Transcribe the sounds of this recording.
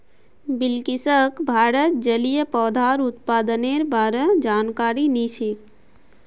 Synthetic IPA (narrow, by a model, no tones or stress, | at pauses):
bɪlkɪsəkbʱaːɾət̪̚d͡ʒəlijəpɔːd̪ʱaːɾʊt̪̚paːd̪əneːɾbaːɾəd͡ʒaːnkaːɾiniːʃik